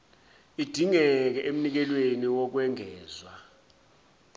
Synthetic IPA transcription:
id̥ʱiŋɛk̬ɛʔem̩nik̬ɛlweniwɔk̬wɛŋʱɛːzwa

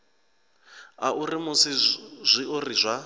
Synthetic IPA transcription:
aʔurimusizʷiurizʷa

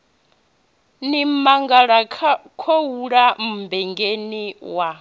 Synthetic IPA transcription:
nimaŋɡaɺakʰowuɺam̩bɛŋɡeniwa

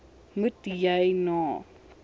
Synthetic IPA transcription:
mɨtjajnɔ

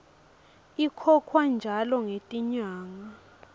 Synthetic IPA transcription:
ikʰɔkʰwand͡ʒʱalɔŋetʼiɲaːŋa

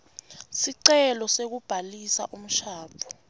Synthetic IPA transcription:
siǀɛlɔsek̬ub̥ʱalisa̰ʔum̩ʃaːpʰɔ̥

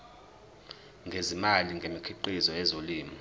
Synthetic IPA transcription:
ŋɡʱezimaliŋɡʱemikʰiǃizɔɛzoliːmɔ

